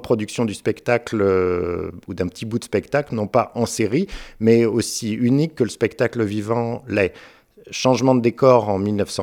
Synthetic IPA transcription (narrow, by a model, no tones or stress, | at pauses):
pχɔd̪yksjɔ̃d̪yspɛkt̪aklø | ud̪ɛ̃pət̪ʰibud̪əspɛkt̪aklnɔ̃paʔɑ̃seʁimɛosiynikːələspɛkt̪akləvivɑ̃lɛ | ʃɑ̃ʒmɑ̃d̪əd̪ekɔʁɑ̃milnœfsɑ̃